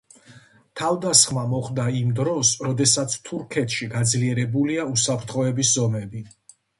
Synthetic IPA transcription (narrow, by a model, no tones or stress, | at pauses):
t̪ʰavd̪asχmamɔχd̪aimd̪ɾɔsɾɔd̪ɛsat̪sʰt̪ʰuɾkʰɛt̪ʃiɡad̪zliɛɾɛbuliausapʰɾt̪ʰχɔɛbiszɔmɛbi